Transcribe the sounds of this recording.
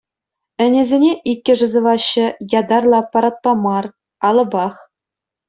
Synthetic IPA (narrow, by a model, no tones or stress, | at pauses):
ɘ̆nʲezʲenʲeʔikʲːɘ̆ʐɤ̆zɤ̆ʋɑɕːɘ̆jɑd̪ɑrlˠɑpɑɾɑt̪̚pɑmɑr | ɑlˠɤ̆bɑχ